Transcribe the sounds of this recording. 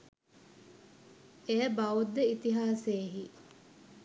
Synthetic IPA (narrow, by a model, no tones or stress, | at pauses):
ejəbaud̪ːeit̪iɦaːseːɦi